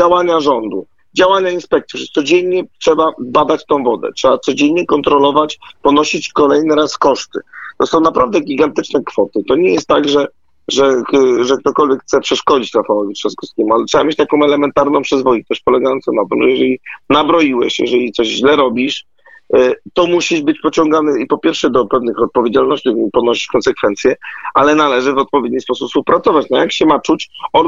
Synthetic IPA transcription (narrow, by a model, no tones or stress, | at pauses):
d͡ʑawaɲaʐɔnd̪ṵ | d͡ʑawaɲainspɛk̚t̪uʂt̪sɔd͡ʑɛɲɲɛtʂɛbabad̪at͡ɕt̪ɔ̃w̃vɔd̪ɛ̰tʂɛbat̪sɔd͡ʑeɲːɲɛkɔnt̪ɾɔlɔvat͡ɕpɔnɔɕit͡ɕkɔlɛjnɘɾaskɔʂt̪ɘ̰t̪ɔsɔ̃w̃napɾavd̪ɛɡʲiɡant̪ɘt͡ʂnɛkfɔt̪ɘt̪ɔɲɛjɛst̪ːaɡʐɛ | ʐɛʐɛk̚t̪ɔkɔlvʲjɛkt̪sɛpʂɛʂkɔd͡ʑit͡ɕɾafawɔvʲiʂɛskɔskʲemualɛtʂɛbamjet͡ɕt̪akɔ̃w̃ɛlɛmɛnt̪aɾnɔ̃w̃pʂɛzvɔjit̪ɛʂpɔlɛɡajɔnt̪sɔmnat̪ɘmʐɛjɛʐɛlʲinabɾɔjiwɛ̰ɕjɛ̰ʐɛlʲit̪sɔʑʑlɛɾɔbʲiʂ | t̪ɔmuɕiʐbɘt͡ɕpɔt͡ɕɔ̃ŋɡanɘipɔpʲjɛɾfʂɛd̪ɔpɛvnɘxɔt̪̚pɔvʲjed͡ʑalnɔɕt͡ɕiipɔnɔɕi̥t͡ɕkɔnsɛkfɛnt̪sʲjɛalɛnalɛʐɘvɔt̪̚pɔvʲjed̪ɲispɔsupspuwpɾat̪sɔvat͡ɕnɔjakɕɛmat͡ʂut͡ɕɔ